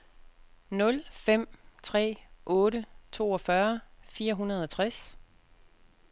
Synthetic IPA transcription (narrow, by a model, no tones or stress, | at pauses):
nɔ̽lfem̰t͡sʰʁɛ̰ːʔɔ̽ːɾət͡sʰo̝̰ːɒfɶɐfiːɐɦunɐð̞ˠɒt͡sʰʁas